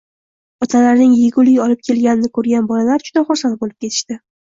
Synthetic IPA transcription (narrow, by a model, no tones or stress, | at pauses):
ɒt̪ʰalaɾnɪŋjɪɡʊlɪjɒlɪp̚kʲʰe̞lɡʲanɪnɪkʰɵɾɡʲanbɒlalaɾd͡ʒʊd̪aχʊɾsanbolɪp̚kʲʰe̞t̪ʰɪ̥ʃt̪ɪ